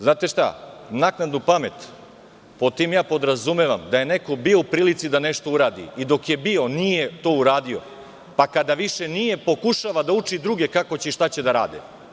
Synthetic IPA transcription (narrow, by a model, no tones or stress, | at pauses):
znaːt̪eʃt̪a̰naknad̪nupame̞t̪ | pot̪iːmjaːpo̞d̪ɾazumeʋamd̪aje̞ne̞ko̞bio̞upɾiːlit̪sid̪ane̞ʃt̪o̞uɾaːd̪ḭid̪o̞kje̞bio̞nijet̪o̞ːuɾaːd̪io̞̰ | pakad̪aʋiʃe̞nijepo̞kuʃaʋad̪aut͡ʂid̪ɾuɡe̞kako̞t͡ɕeʃt̪at͡ɕe̞d̪aɾa̰ːd̪ḛ